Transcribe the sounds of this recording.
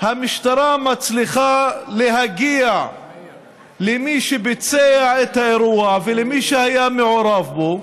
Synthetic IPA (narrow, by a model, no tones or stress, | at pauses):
hamiʃt̪aɾamat͡sliχaleɦaɡia | lemiʃebet͡seaʕet̪haeɾuavelemiʃehajameʕoɾavbo